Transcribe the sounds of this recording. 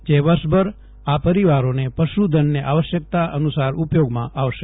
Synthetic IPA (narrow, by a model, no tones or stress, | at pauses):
d͡ʒeʋəɾʃbʱəɾ | apəɾiʋaɾonepəʃud̪ʱənːeʔaʋəʃjək̚t̪aʔənusaɾupjoɡmãʔaʋʃe